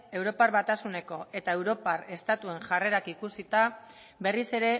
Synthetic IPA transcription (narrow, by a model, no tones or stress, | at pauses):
e̞wɾo̞paɾβat̪asune̞ko̞e̞t̪ae̞wɾo̞pare̞st̪at̪ue̞ŋʝare̞ɾakikusit̪a | βe̞rise̞ɾe̞